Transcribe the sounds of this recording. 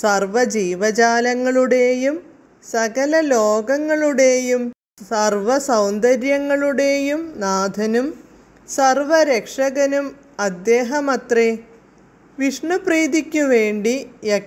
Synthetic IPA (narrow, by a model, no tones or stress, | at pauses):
sɐrʋɐd͡ʑiːʋɐd͡ʑaːlɐŋːɐɭuɽe̞jum | sɐɣɐlɐloːɡɐŋːɐɭuɽe̞jum | sɐrʋɐsɐwnd̪ɐɾjɐŋːɐɭuɽe̞ːjumnaːd̪ʱɐnum | sɐrʋɐɾekʂɐɣɐnum | ɐd̪ːe̞ːɦɐmɐt̪ri | ʋiʂɳɐpriːðikʲːuʋeːɳɖijek